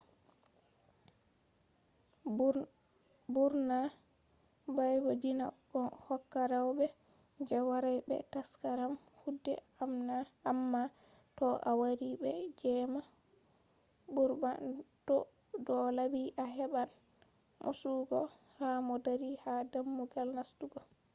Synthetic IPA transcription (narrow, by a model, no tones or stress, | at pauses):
buɾna | bajbodina̰ | ɔnhɔkːaɾawbɛ | d͡ʒɛwaɾajbɛ̰taskaɾam | hudːɛ̰ | amnaːmːa | tɔʔa̰waɾibɛd͡ʒɛma | buɾba̰ntɔ | dɔlabiʔaɦɛɓan | mʔṵsuɡɔ | hamɔdaɾihadamːuɡalnastuɡɔ